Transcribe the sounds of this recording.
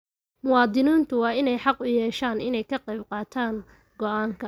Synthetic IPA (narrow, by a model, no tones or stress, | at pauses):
mʊwɑːd̪ɪniːnt̪ʰʊwɑːɪnɛjħɑqʊjɛːʃaːnɪnɛjkʰɐqɑjbqɑːt̪ʰaːŋ | ɡɔʔaːŋkʰɐ